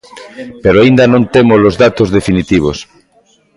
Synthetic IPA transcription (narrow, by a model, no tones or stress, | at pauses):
peɾoaind̪anõnt̪emolozðat̪ozðefinit̪iβ̞o̰s